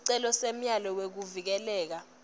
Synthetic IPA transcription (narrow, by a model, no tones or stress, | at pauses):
ǀɛlɔsem̩jalɔwek̬uvik̬ɛlɛːk̬a